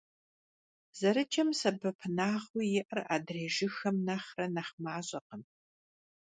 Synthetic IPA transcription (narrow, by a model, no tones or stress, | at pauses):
z̥ɐɾɨt͡ʃʰɐmsɐbɐpʰɨnaːʁujɪʔɐra̰ːdreːʒɪxɐmnɐχrɐnɐχmaːɕʼɐqən